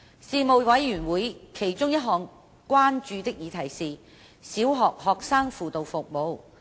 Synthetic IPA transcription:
siː˧mo˨˧wwɐ˨˥jyː˨˩nwuː˨˥jkʰe˨˩jt͡ʃʊ˥ŋjɐ˥t̚ɦɔː˨ŋ | kʷwaː˥nt͡ʃyː˧t̪ɪ˥k̚jiː˨˧t̪ʰɐ˨˩jsiː˨˧ | siː˨˥wɦɔː˨k̚hɔː˨k̚saː˥ŋfuː˨t̪o˨wfʊ˨k̚mo˨˧w

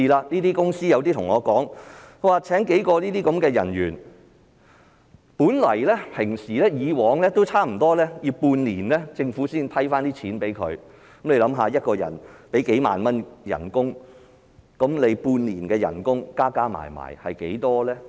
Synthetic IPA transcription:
i˨˧laː˧niː˥t̪iː˥kʊ˥ŋsiː˥jɐ˨˧wt̪iː˥t̪ʰʊ˨˩ŋɔː˨˧kɔː˨˥ŋkwaː˨t͡sʰɛː˨˥ŋke˨˥jkɔː˧liː˥t̪iː˥kɐ˨˥mkɛː˧jɐ̰˨˩njyː˨˩n | puː˨˥nlɐ̰˨˩jlɛː˥pʰɪ˨˩ŋsiː˨˩lɛː˥jiː˨˧wɔː˨˧ŋlɛː˥t̪o˥wt͡sʰaː˥m̩˨˩t̪ɔː˥lɛː˥jiː˨˧puː˧nliː˨˩nlɛː˥t͡sɪ˧ŋfuː˨˥siː˥nt̪ʰɐ˥jfaː˥nt̪iː˥t͡sʰiː˨˥npe˨˥jkʰɵ̰˨˧ɥ | kɐ˨˦mle˧jlɐ˨˥mɦaː˨˧jɐ˥t̚kɔː˧jɐ̰˨˩npe˨˥jke˨˥jma̰ː˨nmɐ˥njɐ̰˨˩nkʊ˥ŋ | kɐ˨˥mle˨˧jpuː˧nliː˨˩nkɛː˧jɐ̰˨˩nkʊ˥ŋkaː˥kaː˥ma̰ː˨˩jma̰ː˨˩jhɐ˨jke˨˥jt̪ɔː˥lɛː˥

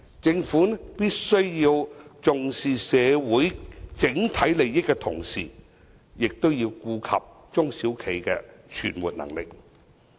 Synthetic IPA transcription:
t͡sɪ˧ŋfuː˨˥nɛpiː˥t̚sɵ˥ɥji˧wt͡sʊ˨ŋsiː˨sɛː˨˧wuː˨˥jt͡sɪ˨˥ŋt̪ʰɐ˨˥jle˨jjɪ˥kːɛ˧t̪ʰʊ̰˨˩ŋsḭː˨˩ | jɪ˨k̚t̪o˥wjiː˧wkuː˧kʰɐ̰˨p̚ | t͡sʊ˥ŋsiː˨˥wkʰe˨˩jkɛ̰˧t͡ʃʰy̰ː˨˩nmṵː˨t̚nɐ̰˨˩ŋlɪ̰˨k̚

